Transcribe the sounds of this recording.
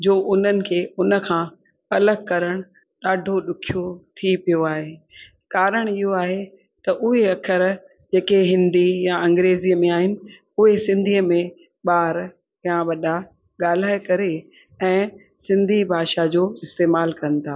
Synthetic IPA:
d͡ʑoːʔʊn̤ənɪ̆kʰeːʊnə̆kʰãː | ɐləɡ̚kɐɾəɽ̃ʊ | ɗ̪aːɖʱoɗʊkʰijot̪ʰipijoaːɦeː | kaːɾəɽ̃ɪɦoaːɦe | t̪ɐʔʊɦeɐkʰəɾ | d͡ʑeːkeɦɪ̃nd̪ijaɐ̃ŋɡɾeːziəmẽaːɦɪnɪ̆ | ʊɦesɪ̃nd̪ʱiəmẽ | ɓaːɾ | jãʋɐɗa | ɠaːl̤aːjkɐɾe | ɛ̃ː | sɪ̃nd̪ʱibʱaːʃad͡ʑoːɪst̪eːmaːlkɐnɪ̆t̪ʰaː

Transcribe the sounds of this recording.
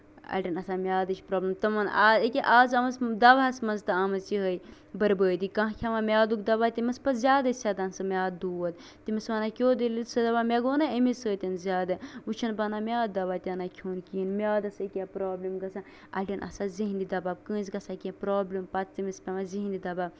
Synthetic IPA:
ɐ̰ɖʲɐnɐsaːmʲjaːd̪ɐt͡ʃʰʲpɾoːblʲɐmt̪ɐmɐnaːəkʲeʔaːzɐmɐsd̪ɐbasmɐnzt̪ɨɐmɐziɦəj | bɐɾbəːd̪ikɐ̃ɦkʲʰɐmamʲaːd̪ukd̪ɐbaːt̪ʲimɐspɐzʲjaːd̪ɐsʲad̪ɐnsɨmʲaːd̪uːʋɐt̪ | t̪imɐsmɐnakʲoːd̪elit̪sɨd̪ɐbamʲeɡoːnɐemisəːt̪ʲɐnzʲaːd̪ɐut͡ʃʰɐnbɐnaːmʲaːd̪ɐbaːt̪ʲɐnakʰoːnkʲiːnmʲaːd̪ɐsɐkʲapɾoːblɐmɡɐsʰa | ɐ̰ʈʲɐnʔɐ̰saziɦnd̪id̪ɐbaːb̚kɨ̃ːzɡɐsakʲẽpɾoːblɐmpɐt͡st̪imispʲɐmaziɦind̪id̪ɐbaːb

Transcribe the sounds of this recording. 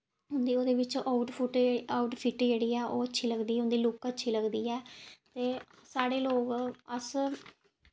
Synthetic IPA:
ɦʊnd̪iːoːd̪eːʋɪt͡ʃʔaːʊʈʊʈaʊʈpʰɪʈd͡ʒeːɽiːɛːʔoːətːʃʰiːləɡd̪iːʊ̃nd̪iːlʊkətːʃʰiːləɡd̪iːɛːt̪eː | saːɽeːloːkəs

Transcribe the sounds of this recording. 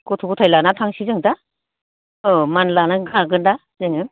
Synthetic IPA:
kɔtʰɔkɔtʰajlanatʰaŋsizɯŋda | ɯmanlanaɡaɡɯnda | zɯŋɯ

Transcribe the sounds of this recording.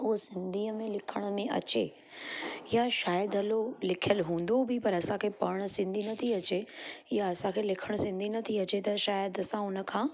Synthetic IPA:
ʊɦsɪ̃nd̪ʱiːəmẽlɪkʰəɽ̃ʊ̆mẽʔɐ̰t͡ɕe | jaʃaːjəd̪ɦɐlolɪkʰijəlɦũːn̆d̪obʱipɐɾɐsãkʰepɐɽ̃sɪ̃nd̪ʱinɐt̪ʰiɐt͡ɕejaɐsãkʰelɪkʰəɽ̃sɪ̃nd̪ʱinɐt̪ʰiɐt͡ɕet̪ɐʃaːjəd̪ɐsãʊnə̆kʰãː

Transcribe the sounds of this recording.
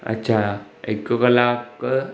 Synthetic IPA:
a̰ɕʰa | ekəkəlak

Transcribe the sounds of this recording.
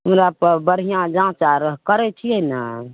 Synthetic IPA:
əmɾapəɾbəɾ̤ijãd͡ʒãːt͡ʃaɾɦkəɾɛt͡ʃʰiɛna

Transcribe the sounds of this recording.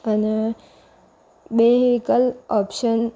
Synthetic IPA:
əne | beɦikəlɔpʃən

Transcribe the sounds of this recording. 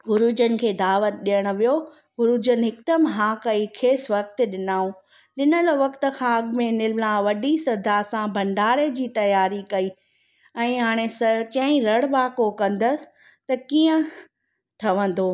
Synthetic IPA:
ɡʊɾuːd͡ʑənɪ̆kʰeːd̪aːʋət̪̚ɗijəɽ̃ʊ̆ʋijo | ɦʊɾuːd͡ʑənɪ̆ɦɪkd̪əmɦaːkɐikʰeːsʋɐk̚t̪̆ɗɪnaːũ | ɗɪnəloʋɐkt̪ə̆kʰãɐɡmẽnɪlnãʋɐɗisɐd̪ʱasãbʱɐ̃ɳɖaːɾed͡ʑiːt̪ɐjaːɾikɐiː | ɛ̃ːɦaːɽ̃esɐt͡ɕɐ̃ĩɾɐɽbaːkokɐ̃nd̪ə | t̪ɐkiːə̃ | ʈʰɐʋə̃n̆d̪oː

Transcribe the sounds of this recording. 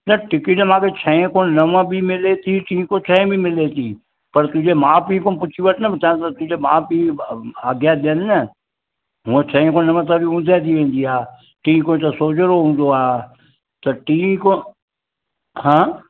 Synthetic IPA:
nɐʈɪkinemãːkʰet͡ʃʰə̃ẽkõnəʋə̃bʱimɪlet̪iʈʰĩːkot͡ʃʰə̃ẽbʱimɪlet̪iː | pɐɾt̪ʊ̃d͡ʒemãːpĩːkõpʊt͡ʃʰiʋəʈnəbɪt͡ʃaːt̪ɐt̪ʊ̃d͡ʒemãːpĩːaːɡjaɗ̪ennə | ɦũə̃t͡ʃʰə̃ẽkõːnəʋə̃t̪əbʱiʊ̃nd̪ʱeːt̪iʋẽːnd̪iaː | ʈĩːkõt̪əsoːd͡ʒəɾoɦũːn̆d̪oaː | t̪ɐʈiːko | ɦãː

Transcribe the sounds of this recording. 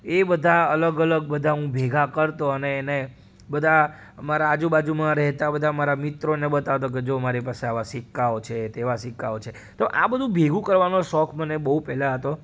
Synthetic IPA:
ebəd̪ʱaələɡələɡ̚bəd̪ʱaɦũbʱeɡʱakəɾt̪oəneːne | bəd̪ʱa | maɾaːd͡ʒũbad͡ʒumãɾɛɦt̪abəd̪ʱamaɾamɪt̪ɾonebət̪aʋt̪ok̬ed͡ʒomaɾipaseaʋasɪkːaot͡ʃʰet̪eʋasɪkːaot͡ʃʰe | t̪oʔa̰bəd̪ʱũbʱeɡʱũkəɾʋanoʃɔkʰmənebəɦũpɛlaɦət̪o

